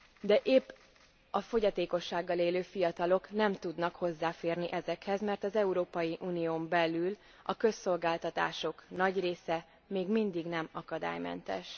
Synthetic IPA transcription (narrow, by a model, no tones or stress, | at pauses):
d̪ɛʔeːpː | ɒfo̞ɟɒt̪eːko̞ʃːaːɡːɒleːløːfijɒt̪ɒlo̞knɛmt̪ud̪nɒkho̞zːaːfeːrniʔɛzɛkhɛzmɛrt̪ɒzɛuɾoːpɒjiʔuːnijoːmbɛlyl | ɒkø̞sːo̞lɡaːlt̪ɒt̪a̰ːʃo̞knɒɟreːsɛ | meːɡmind̪iɡnɛmɒkɒd̪a̰ːjmɛ̰nt̪ɛ̰ʃ